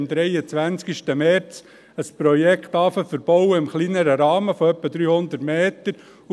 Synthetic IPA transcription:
md̪ɾɛjət͡sʋænt͡skiʃtəmɛɾt͡s | əspɾɔjɛkχt̪ɑːfəfəɾb̥ɔʊwəɪmχlinəɾəɾɑːməfɔœpːəd̪ɾyːhʊnd̪ətmeːt̪əɾ

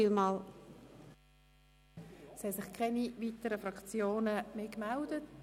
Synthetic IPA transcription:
ilmɑːl | shɛsɪχkʰɛniviːtəɾəfɾɑkt͡sjoːnəmeːkmɛldət

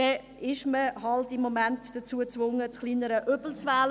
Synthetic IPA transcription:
ɛ | ɪʃməɦɑltɪmːɔmæntd̥ət͡suət͡svʊŋːət͡sχliːnəɾəʔøb̥l̩t͡svæːl

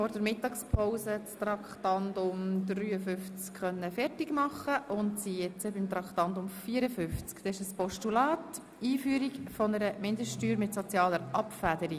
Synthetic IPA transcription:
fɔɾd̥əɾmɪtɑkspʰɔwsət͡st̪ɾɑkχtɑndʊmd̪ryːəfʏft͡skχœnːəfɛrtɪɡmɑχəʔʊntsijɛt͡səbɪmt̪ɾɑkχtɑntʊmfiːəɾəfʏft͡skt̪ɛʃəspɔʃtulɑːt | iːfyːəɾikfɔnəɾəmɪndəsttyːɾmɪtsɔt͡sjɑːləɾʔɑpfæd̪əɾi

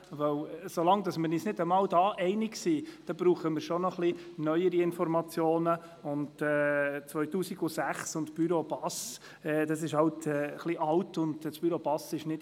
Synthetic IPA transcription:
ʋœwsolɑŋdɑsmənisnɪdəmɑːldɑːʔɛɪnɪksiːd̥ɑb̥ɾuːχəmɪɾʃonɔχlinœʏjəɾiɪnfɔɾmɑt͡sjoːnə | ʊntɛːt͡sʋœʏtuːsiɡ̥ʊsæχsʊntb̥yɾobɑs | ɛːd̥ɑsɪʃhɑltɛːχliʔɑltʊndsb̥yɾobɑsɪʃnɪt

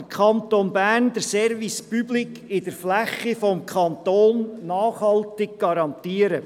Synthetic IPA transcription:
kʰɑnt̪onbæːnd̥̪əɾsɛɾvispyblɪkʰɪd̥əɾflæχifɔmkʰɑnt̪oːnːɑːχhɑltɪɡ̚ɡ̥ɑɾɑnt̪iːəɾə

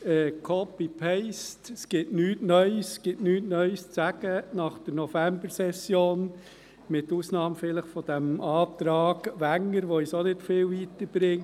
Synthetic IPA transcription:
ɛːkʰɔpipʰɛɪstɛsɡ̥ɪtnyːtnœʏsɡ̥ɪtnyːtnœʏst͡sæɡ̥ənɑχd̥əɾnɔfæmbəɾsɛsːjoːn | mɪtuːsnɑːmfɪləχfɔd̥æmɑːt̪ɾɑːɡʋæŋːəɾʋoisonɪtfɪːlʋiːtəɾb̥ɾɪŋ

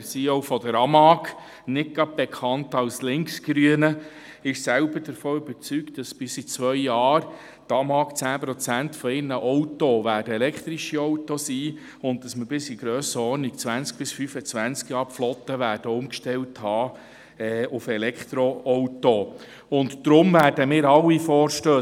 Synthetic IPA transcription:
siɔwfɔdəɾɑmɑk | nɪt̚ɡ̥ɑb̚b̥ɛkʰχɑntɑwslɪŋksɡ̥ɾyənə | ɪʃsælbəd̥əɾfoːybəɾt͡syktd̥ɑsb̥ɪsit͡sʋœjjɑːɾ | tɑmɑːkt͡sæːpɾɔt͡sæntfɔɪrnəʔɔwtoʋæːdəɛlɛkχt̪ɾiʃiɔwtosiː | ʊntd̥ɑsməbɪsiɡ̥ɾøːsəɔɾnik̚t͡sʋænt͡sk̚b̥ɪsfyfət͡sʋænt͡skjɑːɾflɔt̪ːəʋæːɾd̥əʊmkʃtɛlthɑː | ɛːʊfɛlɛkχt̪ɾoɔwto | ʊntːɾʊmvæːɾd̥əmɪːɾɑlːifɔːɾʃtøː

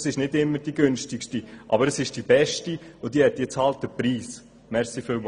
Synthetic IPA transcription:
sɪʃnɪdɪmːəɾd̥iɡʏnʃtɪkʃtiʔɑ̰bəɾəsɪʃd̥ibɛʃtiʊd̥iəhɛt̚d̥iət͡sɑlt̚əpɾiːs | mɛɾsifɪːlm

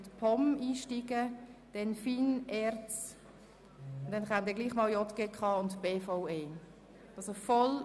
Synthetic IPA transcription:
tpʰɔmiːʃtiɡəd̥ɛnfiːnɛɾt͡s | d̥ɛnχamd̪ɛːɡliːχmɑːljɔtɡ̥eːkχɑːʊntb̥eːfaʊeː | ʔɑlsofɔl

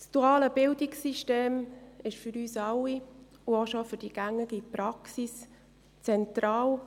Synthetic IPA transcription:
sd̥uɑːləb̥ɪldɪksiʃteːmɪʃfʏɾyːsɑwi | uoʃofʏɾd̥iɡ̥æŋːəɡipɾɑksis | t͡sɛntɾɑːw

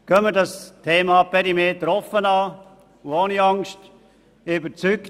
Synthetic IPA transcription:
kœmədɑstʰeːmɑpɛɾimeːtəɾɔfənɑː | uoːniɑŋst | ybəɾt͡syk

